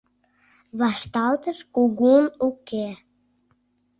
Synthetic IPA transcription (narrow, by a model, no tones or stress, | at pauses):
βɑʃt̪ɑlt̪əʃkuɣunuke